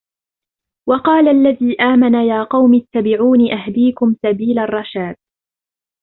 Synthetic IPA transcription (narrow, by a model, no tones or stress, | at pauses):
wɑqɑːlaʔlːaðiːʔaːmanajaːqɑwmɪt̪ːabɪʕuːniʔaɦd̪iːkʊmsabiːlarˤːɑʃaːd̪̥̚